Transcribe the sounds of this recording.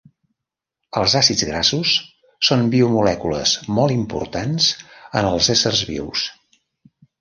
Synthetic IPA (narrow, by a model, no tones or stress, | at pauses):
əlˠzasidd͡zɣɾasusː | onbiumulɛkulə̰smɔlˠimpṵɾt̪anz̥ənəlˠzɛsərzβḭws